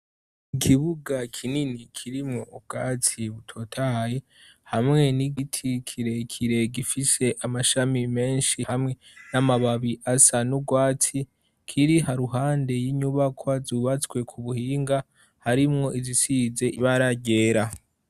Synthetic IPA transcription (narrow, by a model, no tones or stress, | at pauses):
ikʰiβuɡakʰininikʰiɾimŋo̞ʔub̚ɡ̥aːt͡sʰiβutʰo̞tʰaji | hamŋe̞niɡitʰikʰiɾe̞kʰiɾe̞ɡifise̞ʔamaʃamime̞ːnʃihamŋe̞namaβaβiʔasanuɡwaːt͡si | kʰiɾihaɾuɦaːnde̞jiɲuβakʰwazuβat͡swe̞kʰuβuhiːŋɡa | haɾimŋo̞ʔizisize̞ʔiβaɾaɟe̞ːɾa